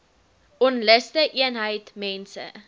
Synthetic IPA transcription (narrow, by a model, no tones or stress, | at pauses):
ɔnləstəʔiənɦəjtmɛnsə̰